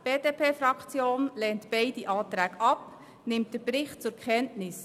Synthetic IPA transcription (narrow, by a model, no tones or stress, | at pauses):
b̥eːd̥eːpʰeːfɾɑkt͡sjoːnlɛːntb̥ɛɪd̥iʔɑːt̪ɾæːɡɑp | nɪmt̚d̥əɾbɾɪχt̚t͡sʊɾkʰχɛntnɪs